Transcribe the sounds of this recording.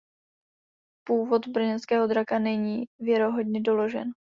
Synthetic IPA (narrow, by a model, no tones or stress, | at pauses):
puːvo̞t̪bɾ̩r̩ɲɛnskɛːɦo̞d̪ɾakanɛɲiːvjɛɾo̞ɦo̞dɲɛdo̞lo̞ʒɛ̰n